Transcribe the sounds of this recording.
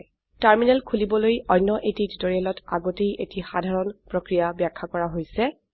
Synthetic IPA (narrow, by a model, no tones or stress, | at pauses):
taɹminɛlkʰulibɔlojɔjnːɔʔetititoɹiɛlɔta̰ɡotejʔetixadʱaɹɔnpɹokɹijabjakʰːakɔɹaɦojsɛ